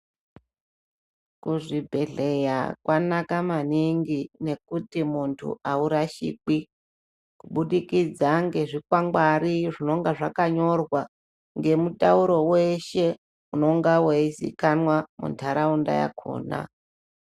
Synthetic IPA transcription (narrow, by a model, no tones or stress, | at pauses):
kuʐibʱe̞ɮe̞ja̰kwanakamaniŋɡine̞kutimuntʰṵauɾaʃḭːk͡pi | kuɓuɗikid͡zaŋɡe̞ʐikwaŋɡwaɾiʐino̞ŋɡaʐakaɲo̞rwa | ŋɡe̞mutauɾo̞we̞ʃe̞ | uno̞ŋɡaweizḭkanwamṵntʰaɾaunda̰ja̰kʰo̰ːna̰